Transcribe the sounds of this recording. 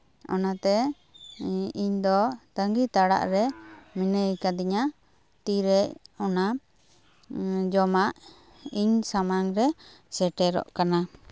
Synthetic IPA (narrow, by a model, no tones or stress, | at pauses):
ɔ̰nat̪ɛ | iɲd̪ɔt̪aŋɡit̪aɽa̰ʔɾɛminəjkad̪iɲa | t̪iɾɛʔɔna | d͡ʒɔmaʔ | iɲsamaŋɾɛ | sɛʈɛɾɔ̰ʔkana